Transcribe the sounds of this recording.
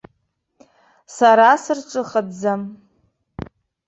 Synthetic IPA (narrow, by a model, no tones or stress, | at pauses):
saɾasɨrʈ͡ʂʷʼɨχadd͡zam